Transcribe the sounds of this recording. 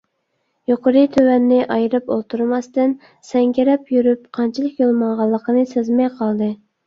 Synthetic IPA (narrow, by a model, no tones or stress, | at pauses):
joqəɾɨt̪ʰøwɛnːɪʔɑjɾɨpolˠt̪ʰuɾmɑst̪ɨn | sɛŋɡʲɪɾɛpjyɾyp̚qʰɑnt͡ʃʰɪlˠəkjolˠmɑŋʁɑlˠːəqənɨsɨzmɛjqʰɑlˠd̪ɨ